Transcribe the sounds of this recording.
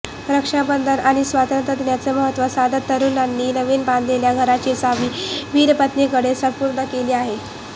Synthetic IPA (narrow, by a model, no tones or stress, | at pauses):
ɾəkʂabənd̪ʱənaɽ̃isʋat̪ənt̪ɾəd̪njat͡seməɦət̪ːʋəsad̪ʱət̪ːəɾuːnanːiːnəʋiːnband̪ʱleljaɡʱəɾat͡ɕisaʋiːʋiːɾpət̪nekəɽesəmpuɾɳəkeliːaɦe